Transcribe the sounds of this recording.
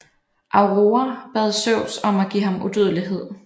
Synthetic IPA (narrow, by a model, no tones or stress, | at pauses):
ʔɑ̈ʊʁoːɐb̥ɛð̞ˠsøʊ̰sɒ̽mæɡ̥ḭːɦɑ̈mud̥øðˠliɦe̝ð̞̰ˠ